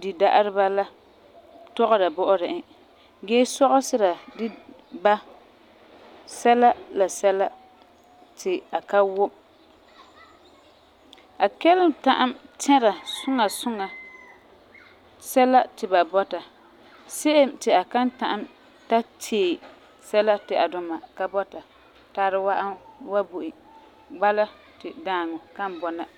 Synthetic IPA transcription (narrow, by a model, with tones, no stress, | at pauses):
dɪ˨da˦ʔa˦ɾɪ˦ba˦la˦ | tɔ˦ɣʊ˦ɾa˨bɔ˦ʔʊ˦ɾɪ˨ʔɪ˦ | ɡeː˦sɔ˦ɣʊ˦sɪ˦ɾa˨dɪ˦ba˦ | sɛ˦la˦la˨sɛ˦la˦ | tʰɪ˨a˨ka˦wʊ˦m | a˨kɛ˦lɪ˦mta˦ʔa˦mtʰɛ˦ɾa˨sʊ˦ŋa˨sʊ˦ŋa˨ | sɛ˦la˦tɪ˨ba˨bɔ˦ta˨ | se˦ʔɪ˦mtɪ˨a˨ka˦nta˨ʔa˦m | ta˦t͡ʃʰeː˦˨ | sɛ˦la˦tɪ˨ʔa̰˨dʊ˦ma˨ka˦bɔ˦ta˨ | taː˦ɾɨ˦wa˦ʔa˦wa˦bu˨ʔi˨ | ɡ͡ba˦la˦ | tɪ˨daː˦˨ŋʊ˨ka˦m˨bɔ˨na˦